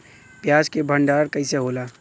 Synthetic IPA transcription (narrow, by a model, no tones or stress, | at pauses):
pjaːd͡ʒkebʱə̃ɳɖaːɾkəɪseɦoːlaː